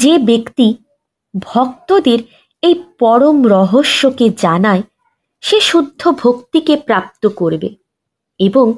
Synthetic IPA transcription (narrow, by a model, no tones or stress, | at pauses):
d͡ʑebekt̪i | bʱɔk̚t̪od̪eɾ | ejpɔɾomɾɔɦoʃːoked͡ʑanae | ʃeʃud̪ʱːobʱokt̪ikepɾap̚t̪okoɾbḛ | eboŋ